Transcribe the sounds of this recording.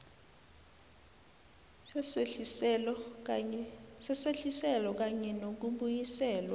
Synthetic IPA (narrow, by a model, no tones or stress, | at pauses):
sɛseɬisɛlɔk̬aɲɛnok̬uɓujisɛːlwa